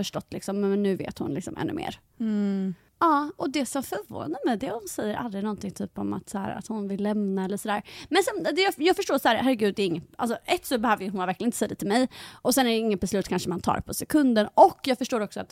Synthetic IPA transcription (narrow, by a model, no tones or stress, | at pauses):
fœʂʈɔt̪ːlɪksɔmːɛnːʉ̟ːvḛːt̪hʊ̰nlɪksɔmʔɛ̰nːɵ̰mḛːɾ | ɑːʔɔd̪ɛsɔmfœɾvo̰ːnaɾmɛd̪ɛʊsɛjːəɾʔa̰ld̪ɾɪnɔnt̪ɪŋt̪ʰyːpɔma̰t̪sæːɾa̰t̪hʊnvɪlːɛmnaɛlːəʂsɔd̪æːɾmɛnsɔmd̪jɑːjɑːɡfœʂʈoːsæːɾhæɾːəɡʉ̟ːd̪ɛɪŋːət̪als̬ɔʔɛt̪ːsɔbɛhœːvəɾjhɦʊnaɾvæɾklənɪsɛjd̪ɛt̪ʰɪlmɛjʔɔsɛnæɾɛɪŋːət̪bɛslʉ̟ːt̪kʰanʂəmant̪ʰɑ̰ːɾpʰɔsɛkʰɵnd̪ənɔkːjɑːɡfœʂʈoːɾɔksɔat̪